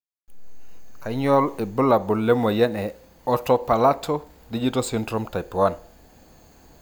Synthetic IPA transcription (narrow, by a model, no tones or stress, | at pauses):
kajɲɔlɛbulabulːɛmɔjɛnɛ | ɔtɔpalatʰɔ | did͡ʒitɔsintɾumtajpuwan